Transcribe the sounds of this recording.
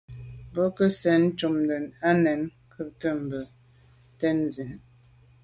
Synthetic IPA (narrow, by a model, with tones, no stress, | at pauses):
bə˦kə˦sɛ˨˦n̩˦t͡ʃu˨mdə˨na˦nɛ˨˦n | kʰə˦tə˦˨m̩˨bə˨ | tɛ˦n˨zi˨n